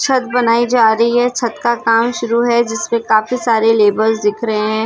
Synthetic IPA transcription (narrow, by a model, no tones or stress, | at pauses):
t͡ʃʰɐt̪̚bɐnaːid͡ʒaːɾɐɦiɦɛt͡ʃʰɐt̪kakaːmʃʊɾuɦɛd͡ʒɪsmẽkaːfisaːɾeleːbəɾzd̪ɪkʰɾɐɦẽɦɛ̃ː